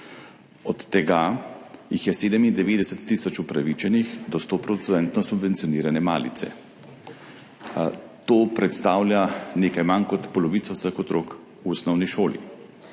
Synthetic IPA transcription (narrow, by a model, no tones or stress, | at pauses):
ɔt̪ːɛɡajixjɛseːd̪ɛmind̪ɛʋeːd̪ɛsɛt̪ːisɔt͡ʃupɾaʋit͡ʃɛnixd̪ɔst̪opɾɔt̪sɛnt̪nɔsubvɛnsijɔniːɾanɛma̰ːlḭt̪sɛ̰ | t̪oːpɾɛt̪st̪aːwljaneːkajmankɔt̪pɔlɔʋiːt̪sawsaxɔt̪ɾoːk | uɔsnɔwniʃoːlḭ